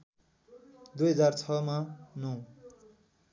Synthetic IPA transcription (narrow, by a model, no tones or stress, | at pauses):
d̪ujɦʌd͡zart͡sʰʌmãnõ